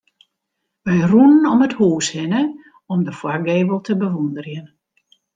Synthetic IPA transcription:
ʋɛjrunənɔməthuːshɪnə | ɔmdəfwaɡeːbəlˠtʰəbəʋundərjən

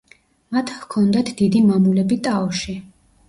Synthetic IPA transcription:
mat̪ʰhkʰɔnd̪at̪ʰd̪id̪imamulɛbit̪ʼaɔʃi

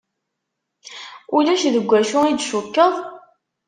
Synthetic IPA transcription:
ʊlæʃðəɡʷːæʃʊid̪ʃukːəðˤ

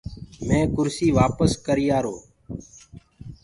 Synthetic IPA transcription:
mẽːkʊɾsiːʋaːpəskəɾijaːɾoː

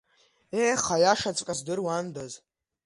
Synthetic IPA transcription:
eχajaʂat͡sʼkʼazdɨrwandaz

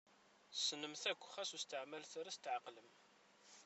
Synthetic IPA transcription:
snəmθækʷːχæsust̪əʕmælθɾæst̪ʕaqːləm

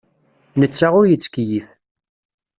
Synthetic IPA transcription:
nət͡sːaʁʊɾjət͡sːkjiθ

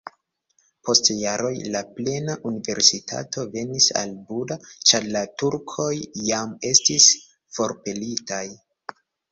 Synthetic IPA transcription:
po̞stjaɾʔo̞jlaple̞naʔunive̞̰ɾsitʰa̰to̞ve̞nisa̰lbudat͡ʃaɾlatuɾkʰo̞jːame̞stis | fo̞ɾpe̞litaj

